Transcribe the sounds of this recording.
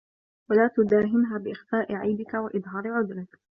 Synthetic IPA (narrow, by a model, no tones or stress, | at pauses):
walaːt̪ʊd̪aːɦɪmɦaːbɪʔɪxfaːʔɪʕajbɪkawaʔɨd̪ˤɦɑːɾɪʕʊd̪ɾɪk